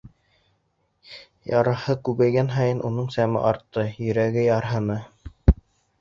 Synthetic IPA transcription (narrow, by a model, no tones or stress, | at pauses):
jɑɾɤ̆hɤkʉβæjɡænɦɑjɤnʔunɤɴsæmɘ̰ʔɑɾt̪ːɤjɵ̆ɾæɡɘjɑɾɦɤ̆nɤ